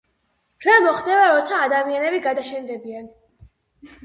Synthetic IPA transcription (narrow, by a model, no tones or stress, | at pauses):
pʰɾɛmɔχd̪ɛvaɾɔt̪sʰaːd̪amianɛbiɡad̪aʃɛnd̪ɛbian